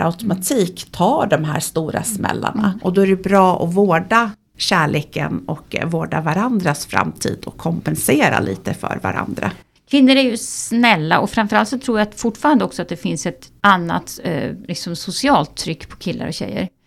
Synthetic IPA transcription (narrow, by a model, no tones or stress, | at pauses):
a̰ʉt̪ʊmat̪ʰiːkt̪ʰɑːɖɔmɦæːɾst̪uːɾasmɛ̰lːa̰ɳaʔɔd̪ɔæɖɛbɾɑːʔɔvoːɖa | ɕæːɭeːkə̰nɔkvoːɖavaɾand̪ɾasfɾa̰mt̪ʰḭːd̪ɔkʰːɔmpɛnseːɾa̰lʔiːt̪əfœ̰ːɾvaɾa̰nd̪ɾa | kʰvɪnːəɾæɾjɵsnɛlːa̰ɔfɾamfœɾalt̪sɔt̪ʰɾuːɾjafʊʈːfɑːɾand̪əɔksɔat̪̚d̪ɛfɪnsɛt̪anːa̰t̪lɪksɔmsʊsɪɑːlt̪ʰːɾʏkːpʰɔ̥kʰɪlːa̰ɾɔɕɛ̰jːə̰ɾ